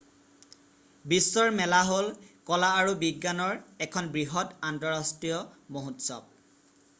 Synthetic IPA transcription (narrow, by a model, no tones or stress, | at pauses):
bisːɔɹmɛlaɦolkɔlaːɹubiɡːanɔɹɛkʰɔnbɹiɦɔtantɔɹastɹijɔmoɦutsɔ̰b̚